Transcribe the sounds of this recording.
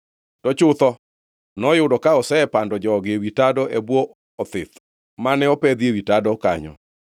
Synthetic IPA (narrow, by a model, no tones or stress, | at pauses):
tɔt͡ʃʊt̪ɔ | nɔjʊdɔkaɔsɛɛpandɔd͡ʒɔːɡewitadɔʔɛbwɔ | ɔt̪ɪt̪ | manɛɔpɛd̪iewitadɔka̰ɲɔ̰